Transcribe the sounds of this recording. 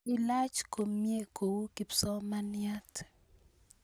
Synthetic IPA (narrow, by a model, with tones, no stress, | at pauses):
ɪ˦la˦t͡ʃko˨mje˦ko˨wu˦ki˨psɔ˦ma˦nja˦tʰ